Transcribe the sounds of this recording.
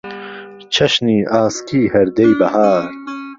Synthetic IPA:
t͡ʃʰɐʃniːʔaːskiːhɐɾd̪ejbɐhaːɾ

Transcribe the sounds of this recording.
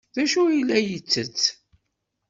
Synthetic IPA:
ðæʃuilːæjət͡sːət͡sː

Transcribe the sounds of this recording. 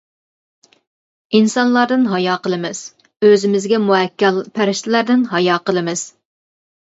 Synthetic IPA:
insɑnlˠɑɾd̪ɨnɦɑjɑːqəlˠɨmɨz̥ | øzɪmɪzɡʲɛmuɦɛkʲːɛlˠpʰæɾɪʃt̪ʰɪlæɾd̪ɪnɦɑjɑːqəlˠɨmɨz̥

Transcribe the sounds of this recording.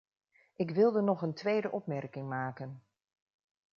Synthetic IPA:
ʔɪkʋɪlˠdənɔχəntʋejdəʔɔpmɛrkɪŋmaːkən

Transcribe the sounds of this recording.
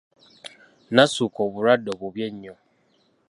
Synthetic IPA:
nãsukʰɔbʊɾadɔbobiɛɲɲɔ̃

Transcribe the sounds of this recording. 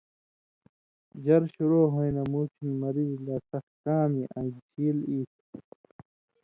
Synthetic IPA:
d͡ʑɐɾɕuɾoːɦojnɐmuːt̪ʰinmɐɾizlɐsɐkkãːmiʔɐ̰̃nd͡ʑt͡ɕʰiːliːt̪ʰ

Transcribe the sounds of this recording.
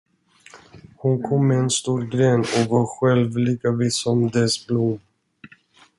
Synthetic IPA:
hʊnkʰɔmːɛɛnst̪uːɾɡɾeːnɔvɑɾɧɛlvliːkavisɔmd̪ɛsblum

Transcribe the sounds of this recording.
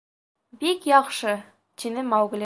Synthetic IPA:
bikjɒχʃɤ | t̪inɘmɑwɡ̆lʲi

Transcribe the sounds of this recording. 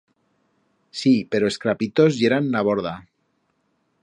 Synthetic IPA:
sipe̞ɾoeskɾapit̪o̞zʝeɾannaβ̞oɾða

